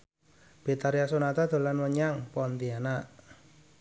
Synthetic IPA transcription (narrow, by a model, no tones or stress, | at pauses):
b̥et̪aɾiasonat̪ad̪̥o̤lanwəɲaŋpɔnt̪ianaʔ